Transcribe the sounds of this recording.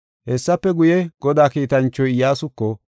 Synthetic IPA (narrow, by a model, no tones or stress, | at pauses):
hɛsːɐpːɛɡʊjɛɡ̥ɔd̪aːkiːt̪ɐnt͡ʃːɔjɪjaːsʊkːɔ